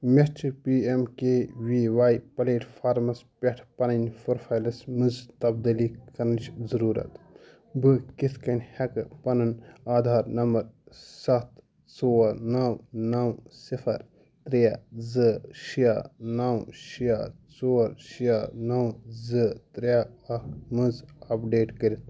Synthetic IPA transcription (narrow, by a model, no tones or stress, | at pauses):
mest͡ʃpiːemkewiːʋaːjpɐleːʈfʰaːɾmɐspʲeʈʰpɐnɐnʲfoɾfʰaːjlɐsmɨzt̪ɐbd̪ilikɐɾnɨt͡ʃzɐɾuːɾɐ̰t̪ | bɨkit̪ʰkɐnʲhɛkpɐnɐnaːd̪ʱaːɾnɐmbɐɾsɐt̪ | t͡soːɐɾnɐwnɐwsifʰɐɾ | t̪ɾijazɨʃijanɐwʃijaːt͡soːɐɾʃijaːnɐwzɨt̪ɾjaɐmɨzɐpɖeːʈkəɾit̪̚ʰ